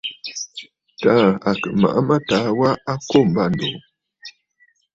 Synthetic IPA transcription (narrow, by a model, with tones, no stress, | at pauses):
ta˨˦a˨kə˨ma̰˨ʔa˦ma˦ta˨˦wa˦a˦ko˦˨m̩˨ba˦˨n̩˨do˨